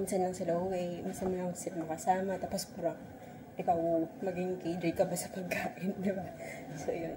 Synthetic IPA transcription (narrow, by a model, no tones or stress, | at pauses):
minsɐnlɐŋsɐlooŋɐjminsɐnmɐnawod̪sɪɾmɐkɐsaːmɐt̪apospɐɾɐŋ | ʔɪkɐwmɐɡɪŋkɐjd̪ɾikɐbasɐpɐɡ̚kaːʔɪnd̪ɪbasojon